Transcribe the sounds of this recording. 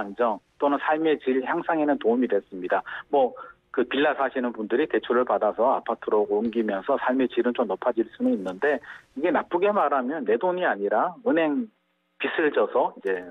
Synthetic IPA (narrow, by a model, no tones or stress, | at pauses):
and͡ʑʌŋt͈onɯnsʰaɭme̞t͡ɕiɭçjaŋsʰaŋenɯntoumidwe̞s͈ɯmɲidamwʌ | kɯpiɭːasʰaɕʰinɯnpundɯɾite̞t͡ɕʰoɾɯɭpadasʰʌa̰pʰatʰɯɾoɡoumɡimjʌnsʰʌsʰaɭme̞t͡ɕiɾɯnt͡ɕomnʌpʰad͡ʑiɭs͈unuinːɯnde̞iɡe̞nap͈ɯɡe̞maɾamjʌnːe̞doɲiaɲiɾaɯnɦe̞ŋ | pis͈ʰɯɭd͡ʑʌsʰʌid͡ʑe̞